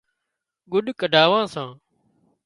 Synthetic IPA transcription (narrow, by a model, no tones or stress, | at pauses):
ɡʊɗkəɖʱaːʋãːsãː